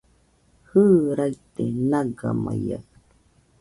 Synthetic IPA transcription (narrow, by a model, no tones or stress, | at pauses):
hɯːɾait̪enaɡamaja